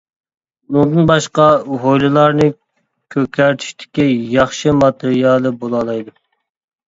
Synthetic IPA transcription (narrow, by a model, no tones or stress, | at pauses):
nud̪ɨnbɑʃqɑɦojlˠɨlˠɑɾnɨ | kʲʰøkʲʰæɾt̪ʰy̥ʃt̪ʰɪ̥kʲːɛjɑχʃɨmɑt̪ʰeɾijɑlˠɨbolˠɑlˠɑjd̪u